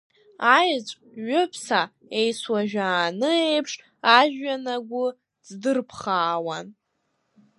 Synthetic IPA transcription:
ajt͡ʃʷʼ | ɥʊpʰsa | e̞jswaʒᶣaːnɨejpʰʂ | aʒᶣːanaɡʷʊ | d͡zdɨrpʰχaːwan

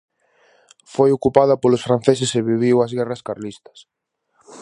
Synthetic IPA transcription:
fojokupaðɐpolʊsfɾan̟θes̬ɪseβiβiwɐzɣɛrɐskaɾlist̪ɐ̥s

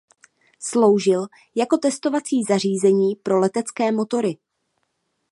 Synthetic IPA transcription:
slo̞wʒɪl | jako̞t̪ɛst̪o̞vat͡siːzar̝iːzɛɲiːpɾo̞lɛt̪ɛt͡skɛːmo̞t̪o̞ɾɪ

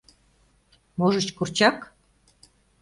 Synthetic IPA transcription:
moʒə̆t͡ɕkurt͡ɕɑk

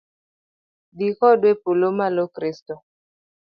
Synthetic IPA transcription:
dikɔdwepolomalokɾistɔ

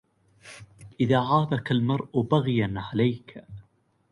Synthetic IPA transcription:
ʔɪðaːʕɑːðˤɑkalmɑɾˤʔʊbaɣjanʕalajk

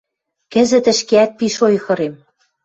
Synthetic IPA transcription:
kɘ̆zɘ̆t̪ɘ̆ʃkeæt̪̚piʃojxɤ̆ɾem

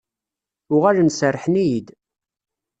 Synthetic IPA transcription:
ʊʁælənsərːħnijid̪

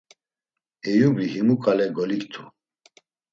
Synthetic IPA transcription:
ɛjubiɦimukʼalɛɡɔlikt̪ʰu

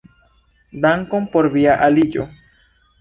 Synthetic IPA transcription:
d̪aŋkompoɾβiaʔalid͡ʒo̰

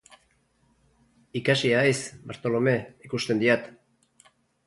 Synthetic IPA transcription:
ikasiaesbaɾt̪o̞lome̞ikust̪e̞nd̪iat̪

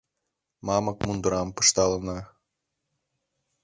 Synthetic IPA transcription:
mɑmɤk̚mund̪ɤ̆ɾɑmpɤ̥̆ʃt̪ɑlˠə̆nɑ

